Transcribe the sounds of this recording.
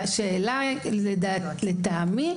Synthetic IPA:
ʃeːlaeda | let̪ami

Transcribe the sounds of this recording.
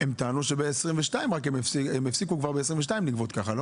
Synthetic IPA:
emt̪aːnuʃebeːsʁimveʃtaimʁak̬emefsemefsikukvaʁbees̬ʁimveʃ̬taimliɡvot̪kaχalo

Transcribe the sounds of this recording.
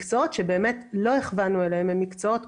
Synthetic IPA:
kt͡sootʃebe̞ːmetlo̞eχvanuelehememikt͡soot

